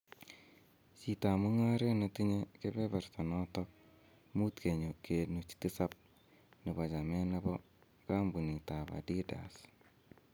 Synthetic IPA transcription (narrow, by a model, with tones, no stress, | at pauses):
si˨ta˨mu˦ŋa˦ɾe˦na˨ti˦ɲe˦ke˦be˦ba˨rta˨nɔ˦tɔk̚ | mu˦tke˨ɲo˨ke˨nu˨t͡ʃti˦sa˦p̚ | nɪ˨ba˨t͡ʃa˨mɛ˦na˦bɔ˦ | ka˦mbu˨ni˨ta˨ba̰˨di˦da̰˨s